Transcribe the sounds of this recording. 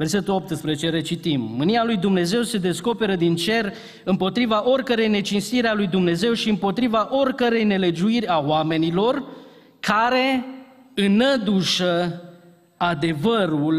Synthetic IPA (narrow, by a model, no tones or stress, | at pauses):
ve̞rse̞t̪ulo̞p̚t̪ɨspɾezet͡ʃe̞ɾe̞t͡ʃit̪imːɨnialujd̪umne̞ze̞wse̞d̪e̞sko̞pe̞ɾəd̪int͡ʃe̞r | ɨmpo̞t̪ɾivaʔo̞rʲkəɾe̞jne̞t͡ʃinst̪iɾealujd̪umne̞ze̞wʃiɨmpo̞t̪ɾivaʔo̞rʲkəɾe̞jne̞le̞d͡ʒuiɾʲawame̞nilo̞r | kʰaɾe̞ | ɨnəd̪uʃə | ad̪e̞vəɾul